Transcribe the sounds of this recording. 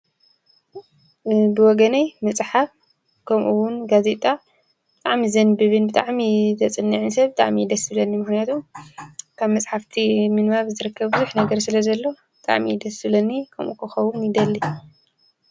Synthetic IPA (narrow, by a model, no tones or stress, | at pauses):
bɨwɔɡɐnɐjmɐt͡sʼħaf | kʰɐmʔuwʊnɡaze̞t̪ʼa | b̥ɨt̪ʼaʕmizɐnbɨβɨnbɨt̪ʼaʕmit̪ʰɐt͡sʼɨnːɨʕɨnsɐβbɨt̪ʼaʕmid̪ɐsɨlɐnːimɨxnijat̪ʰum | kʰaβmɐt͡sʼħaft̪ʰimɨnmaβzɨɾɨkːɐβbɨzuħnɐɡɐɾsɨlɐzɐlːo̞ | bɨt̪ʼa̰ʕmid̪ɐsɨlɐnːikʰɐmʔṵkʰɨxɐwʊnjɪd̪ɐlːi